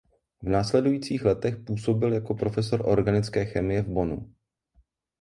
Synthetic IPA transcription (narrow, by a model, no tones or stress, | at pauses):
vnaːslɛdujiːt͡siːxlɛt̪ɛxpuːso̞bɪljako̞pɾo̞fɛso̞ɾʔo̞ɾɡanɪt͡skɛːxɛmɪjɛvbo̞nṵ